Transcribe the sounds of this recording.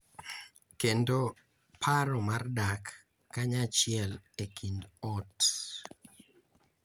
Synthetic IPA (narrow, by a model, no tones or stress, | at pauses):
kendo | pʰaɾɔmardakː | aɲat͡ʃɪɛlekʰindɔt